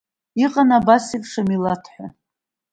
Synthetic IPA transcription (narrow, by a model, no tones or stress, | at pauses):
iqʼanabasipʼʂamilatʰħʷa̰